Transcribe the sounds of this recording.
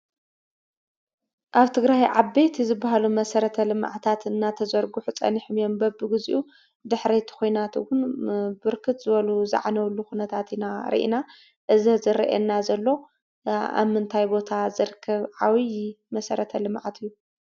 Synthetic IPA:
ʔaβt̪ʰɨɡɾajʕabːe̞t̪zɨbːaɦalumɐsɐɾɐt̪ʰɐlɨm̰ʕt̪ʰat̪ɨnːat̪ʰɐzɐɾɡuħut͡sʼɐ̰niħmijo̞mbɐbːɨɡɨzḭʔu | d̪ɨħɾet̪ʰi̥kʰo̞jnat̪ɨ̰wʊnbɨɾkʰɨt̪zɨβɐluzɨ̰ʕanɐwlːuxunɐt̪ʰat̪inaɾḭʔḭna | ʔɨzizɨɾɐ̰ʔɛ̰nːazɐlːo̞ | a̰mːɨnt̪ʰajbo̞t̪ʰazɨɾɨkʰːɐβʕawij | mɐsɐɾɐt̪ʰɐlɨmʕat̪ʰɨjːu

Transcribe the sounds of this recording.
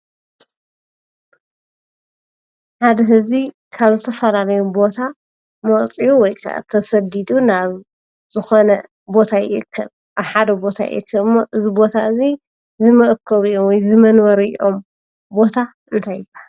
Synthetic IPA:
ħad̪ɐɦɨzbi | kʰaβzɨt̪ʰɐfɐlalɐjubo̞t̪ʰa | mɐt͡sʼijuwɔjkʰa̰t̪ʰɐsɐd̪id̪unaβ | zɨxonɐ | bo̞t̪ʰajɪ̰ʔɨkʰːɐβ | ʔaβħad̪ɐbo̞t̪ʰa̰jɪ̰ʔɨkʰːɐɨmːoʔɨzibo̞t̪ʰaʔɨzi | zɨmɨʔkʰːɐβiʔo̞mwɔjzɨmɐnwɐɾḭʔo̞m | bo̞t̪ʰaʔɨnt̪ʰajba

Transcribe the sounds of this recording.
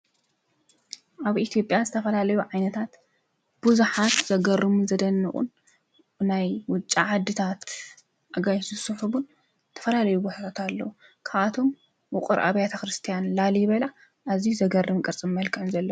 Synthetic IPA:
ʔaβʔit̪ʰijo̞pʼjazɨt̪ʰɐfɐlalɐjuʕajnɐt̪ʰat̪ | b̥uzuħat̪z̥ɐɡɐrɨmuzɐd̪ɐnːɨχʼṵn | ɨnajwʊt͡ʃʼːaʕad̪ːɨt̪ʰat̪ | ʔaɡajsɨsɨħuβun | t̪ʰɐ̥fɐlalɐjuboħt̪ʰat̪alːɐ̰wu | kʰaβat̪ʰo̞m | wʊqʼɨ̰ɾʔa̰βjat̪ʰɐxɾɨst̪ʰijanlaliβɐla | ʔazijzɐɡɐrːɨmkʼɐɾt͡sʼɨmmɐlkʰɨʕnzɐlːɐu

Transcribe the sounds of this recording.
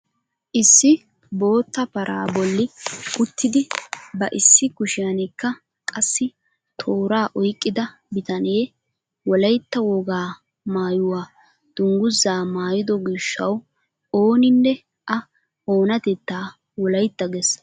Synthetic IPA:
ʔɪsːɪ | bo̞ːt̪ːɐpɐɾʔa̰ːbɔlːɪkʊt̪ʰːɪd̪ɪbɐʔɪsːɪkʊʃɪjɐnɛkːɐ | kʼɐsːɪ | t̪ʰo̞ːɾaːʔɔjkʼːɪd̪ɐ | bɪt̪ɐneː | wɔlɐjt̪ːɐwɔɡaː | maːjʊwaː | d̪̥ʊŋɡʊzːaːmaːjɪd̪ɔɡɪʃːɐ̰w | oːnɪnːɛ | ʔɐ | oːnɐt̪ɛt̪ːaː | wɔlɐjt̪ːɐɡɛs

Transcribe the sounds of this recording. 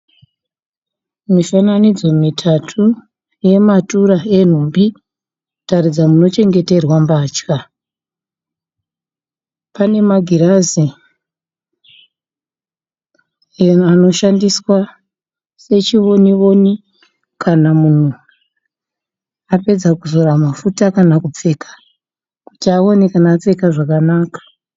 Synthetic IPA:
mifananid͡zo̞mitʰatʰu | je̞matuɾae̞n̤umbi | tarid͡zamuno̞t͡ʃe̞ŋɡe̞te̞rwambaːt͡ʃka | pane̞maɡʱiɾazi | eano̞ʃandiswa | se̞t͡ʃiʋo̞niʋo̞ni | kʰanamun̤u | ape̞d͡zakuzo̞ɾamafutakanakup͡fe̞kʰḁ | ku̥tiao̞nekanaːt͡se̞kaʐakanaːkḁ

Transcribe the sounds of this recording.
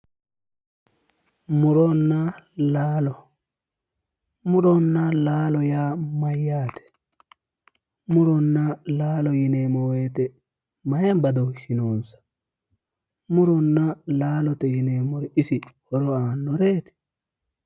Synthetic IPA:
muɾɔnːalalɔ | muɾɔnːalaːlɔjamajatɛ̥ | muɾɔnːalaːlɔjinɛmɔwɛtɛ | majambadɔwsinɔnsḁ | muɾɔnːalaːlɔtɛjinɛmɔɾɛisihɔɾɔanːɔɾɛːtɛ̥

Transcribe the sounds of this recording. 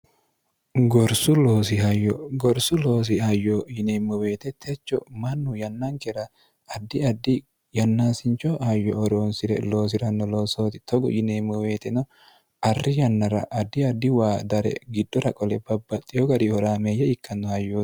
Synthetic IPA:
ɡɔɾsʊloːsɪhɐjɔɡɔɾsʊloːs̬ɪɐjːɔjɪneːmːɔwe̞ːt̪ɛt̪ʰɛt͡ʃːɔ̰mɐnːʊjɐnːɐŋkɛɾɐ | ɐd̪ːɪɐd̪ːɪ | jɐnːaːsɪnt͡ʃːɔhɐjːɔɔɾoːnsɪɾɛ̰lo̞ːs̬ɪɾɐnːɔlo̞ːsoːt̪ɪt̪ɔɡɔ̰jɪnemːɔwe̞ːt̪ɛnɔ | ɐrːɪjɐnːɐɾɐ̰ʔɐd̪ːɪɐd̪ːɪwaːd̪ɐɾɛ̰ɡɪd̪ːɔɾɐkʼɔlɛbɐbːɐt̪ʼːɪjɔɡɐɾihɔɾaːmejːɛɪkːɐnːɔhɐjːoː

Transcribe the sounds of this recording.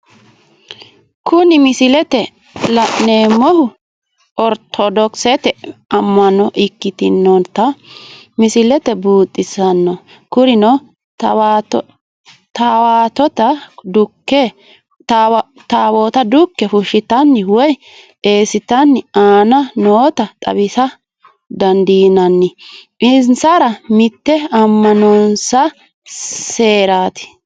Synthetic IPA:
kʰʊnɪmɪsɪlɛt̪ɛ | lɐʔneːmɔhʊ | ɔɾt̪ʰɔd̪ɔksɛt̪ɛɐmːɐnɔʔɪkːɪt̪ɪnːɔnt̪ɐmɪsɪlɛt̪ɛbuːt̪ʼːɪsɐnːɔ | kʊɾɪnɔ | wt | t̪awaːt̪ɔt̪ɐd̪ʊkːɛ | t̪aw | t̪aːwoːt̪ɐd̪ʊkːɛfʊʃɪt̪ɐnːɪwɔj | e̞ːsɪt̪ɐnːɪaːnɐnoːt̪ɐt̪ʼɐ̰bɪsɐ | d̪ɐnd̪iːnɐnːɪ | ɪnsɐɾɐmɪt̪ːɛɐmːɐnɔnsɐ | se̞ːɾaːt̪ɪ̥

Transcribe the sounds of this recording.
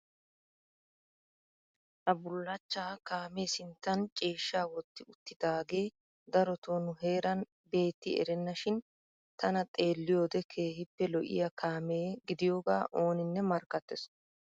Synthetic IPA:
hɐbʊlːɐt͡ʃːaːkaːmeːsɪnt̪ːɐnt͡ʃʼeːʃːaːwɔt̪ːɪʊt̪ːɪd̪aːɡe̞ː | d̪ɐɾɔt̪oːnʊɦe̞ːɾɐn | be̞ːt̪ːɪ̰ɛ̰ɾɛnːɐʃɪn | t̪ɐnɐt̪ʼe̞ːlːɪjo̞ːd̪ɛkʰe̞ːhɪpːɛlɔʔɪ̰jɐkaːme̞ːɡɪd̪ɪjoːɡa̰ːʔo̞ːnɪnːɛmɐɾkːɐt̪ːɛs

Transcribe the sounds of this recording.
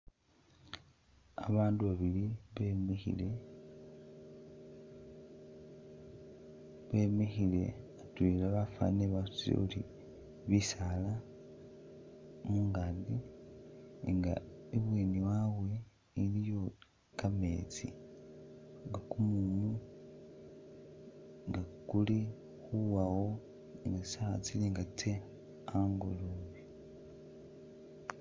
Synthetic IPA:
a̰βaːnduβaβiliβemixḭle | βemexile̞̰atwilaβafa̰neβasu̥t͡siɾḛulḭ | βisala | muːŋɡadi | ŋɡa̰eβweːniwaβwe̞ | ilijo | kame̞̰ːt͡si | ŋɡakumuːnu | ŋɡakuli | xuwawo | eŋɡasaːt͡sileŋɡatʰe | aŋɡuluβi

